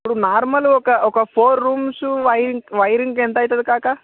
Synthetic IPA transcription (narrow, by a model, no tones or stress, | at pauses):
pɽunaɾməlokaʔokafoɾːuːmsũːʋajɾiŋɡʋajɾiŋɡkẽnt̪ajt̪at̪̚kaka